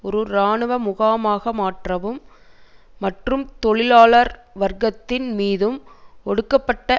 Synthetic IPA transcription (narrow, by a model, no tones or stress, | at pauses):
ɔɾɯɾaːɳɯʋɐmʊɣaːmaːɣɐmaːʈrɐʋɯmː | ɐʈrɯmt̪ɔɭɪlaːɭɐɾʋɐɾɡɐt̪ːɪnmiːðɯmɔɽɯkːɐpːɐʈːɐ